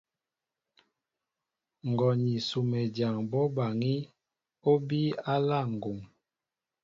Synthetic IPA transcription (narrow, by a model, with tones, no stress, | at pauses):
ŋ̩˨ɡɔ˨ɲi˨su˨mɛ˨dja˨ŋbɔ˦ba˨ŋi˦ | o˦bi˦a˦la˦˨ŋ̩˨ɡo˨ŋ